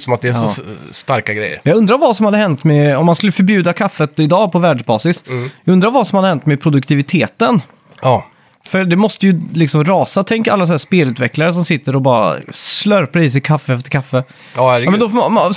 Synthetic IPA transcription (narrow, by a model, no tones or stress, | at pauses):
sɔmat̪̚d̪ɛæsɔst̪aɾkaɡɾɛ̰jːə̰ɾjɑɡɵnd̪ɾaɾvasɔmhad̪əhɛnt̪mɛɔmːanskɵlːəfœɾbjʉ̟ːd̪akʰafːət̪ɪd̪ɑːpʰɔvæːɖʂbɑ̰ːsɪsjɑɡɵnd̪ɾaɾvasɔmhad̪əhɛnt̪mɛpʰɾʊd̪ɵk̚t̪ʰɪvɪt̪ʰeːt̪ən | fœɾd̪ɛmɔst̪əjɵlɪksɔmɾɑːsat̪ʰɛŋkːa̰lːasɔnæːspeːlʉt̪vɛklaɾəs̬ɔmsɪt̪ːəɾɔbɑːɾa̰slœɾpʰɾɛiːs̬ɪt̪̚kʰafːəft̪ʰːɪkʰafːə | mɛnd̪ɔfɔ